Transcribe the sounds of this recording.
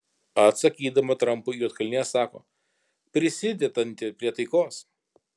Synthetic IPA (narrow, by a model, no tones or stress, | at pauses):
ɐt̪sɐkʲiːd̪ɐmɐt̪ɾɐmpʊjuːɐt̪kɐlʲnʲeːjsɑːko̰ː | pʲɾʲɪsʲɪd̪ʲɛd̪ɐnʲt̪ʲɪpʲɾʲiɛt̪ɐɪkoːs